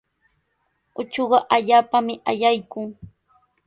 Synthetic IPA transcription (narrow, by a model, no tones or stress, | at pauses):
ʊt͡ʃoɢɑʔaʎaːpamɪʔaʎajkʊŋ